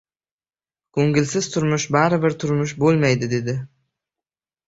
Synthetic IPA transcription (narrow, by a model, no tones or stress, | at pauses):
ɡ̥ɵŋɡʲɪlsɪz̥t̪ʰʊɾmʊʃbaɾɪbɪɾt̪ʰʊɾmʊʃ̬bolˠmajd̪ɪd̪e̞d̪ɪ